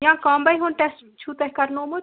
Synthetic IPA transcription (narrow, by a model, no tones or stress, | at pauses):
jãkambɐjɦonʈesʈ | t͡ʃʰut̪ɐɦkɐɾnomu